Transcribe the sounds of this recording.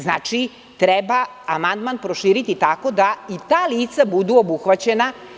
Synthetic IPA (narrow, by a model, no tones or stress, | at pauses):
znaːt͡ʃi | t̪ɾeba | amand̪manpɾo̞ʃiːɾit̪it̪ako̞d̪ait̪aːliːt̪sabud̪uobuxʋat͡ɕena